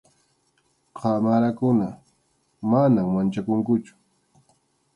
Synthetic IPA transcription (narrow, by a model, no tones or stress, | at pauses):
qʰɑmaɾakʊna | manaŋmant͡ʃakʊŋkʊt͡ʃʊ̥